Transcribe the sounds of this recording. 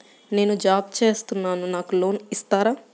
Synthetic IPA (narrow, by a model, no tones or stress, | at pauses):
ne̞ːnud͡ʒaːpt͡ʃe̞ːst̪unːaːnunaːkulo̞ːnist̪aːɾaː